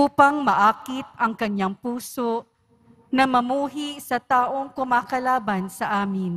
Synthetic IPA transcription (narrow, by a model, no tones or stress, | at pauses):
uːpɐŋmɐʔaːkɪt̪̚ɐŋkɐɲːaŋpuːso | nɐmɐmuːɦisɐt̪aːʔo̞ŋkʊmaːkɐlaːbɐnsɐʔaːmɪn